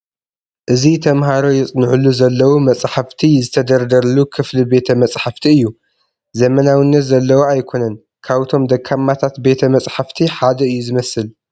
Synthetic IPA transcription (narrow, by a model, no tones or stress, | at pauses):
ʔɨzit̪ʰɐmhaɾo̞jɛt͡sʼnɨʕulːuzɐlːɐwumɐt͡sʼħaft̪ʰizɨt̪ʰɐd̪ɐɾd̪ɐɾɐlukʰɨflibe̞t̪ʰɐmɐt͡sʼħaft̪ʰiɨjːu | zɐmɐnawinːɐt̪zɐlːɐwoajkʰo̞nɐn | kʰaβt̪ʰo̞md̪ɐkʰːamːat̪ʰat̪be̞t̪ʰɐmɐt͡sʼħaft̪ʰiħad̪ɐɨjːuzɨmɐsɨl